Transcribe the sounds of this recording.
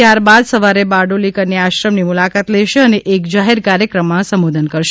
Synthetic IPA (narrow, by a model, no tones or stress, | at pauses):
jaɾbad̪səʋaɾebaɖolikənːeaʃɾəmnimulakat̪lɛʃeəneʔekd͡ʒaɦeɾkaɾjəkɾəmːãsəmʋod̪ʱənkəɾʃe